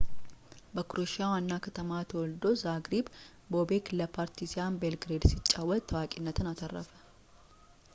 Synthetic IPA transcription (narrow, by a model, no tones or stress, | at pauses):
bəkɾoʃawanːakʰɐt̪ʰəmat̪ʰəwɔld̪o̞zaɡɾib | bobekləpʰaːɾt̪ʰisɪjanbelɡɾed̪sɪt͡ʃʼːawːət̪t̪ʰɐwakʼɪnːət̪ʰɨnat̪ʰɐrːə̰fə̥